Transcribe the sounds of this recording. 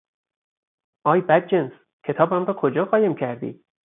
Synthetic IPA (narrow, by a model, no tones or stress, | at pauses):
ʔɒːjbæd̪̚d͡ʒens | cʰe̞t̪ʰɒːbæmrɒːkʰo̞d͡ʒɒːɣɒːjemcʰæɾd̪ḭː